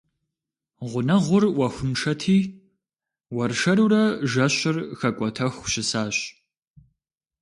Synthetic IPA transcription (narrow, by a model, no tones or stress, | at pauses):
ʁʷʊnɐʁʷʊrwɐxʷʊmʂɐtʰiː | wɐrʃɐɾuːɾɐʒɐɕɪrxɐkʷʼɔtʰɐxʷɕɪsaːɕ